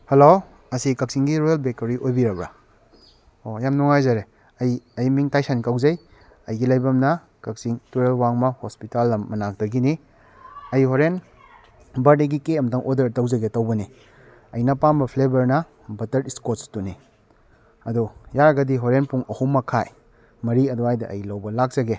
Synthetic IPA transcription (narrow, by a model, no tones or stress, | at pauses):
helo | ɐsikɐk̚siŋɡiɾojalbek̚toɾiʔojbiɾɐbɾa | ojamnuŋajzɐɾe | ɐjɐjmiŋtajsanikawzɐj | ɐjɡilɐjbɐmnɐ | kɐk̚siŋtuɾelwaŋmɐhospitalːɐmːɐnak̚dɐɡini | ɐjhoɾen | bɐɾdeɡikeɐmtʰɐŋʔodɐɾtɐwzɐɡetɐwbɐni | ɐjnɐpambɐpʰlebɐɾnɐ | bɐtɐɾiskotstuni | ɐdujaɾɐɡɐdiɦoɾenpuŋɐhumːɐkʰaj | mɐɾiɐduajdɐʔɐ̰jlɐwbɐlak̚z̥ɐɡe